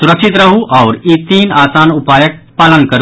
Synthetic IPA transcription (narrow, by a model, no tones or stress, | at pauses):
suɾəkʃit̪ɾɐɦuʔɔːɾiːt̪iːnaːsaːnupaːjək̚paːlənkɐɾ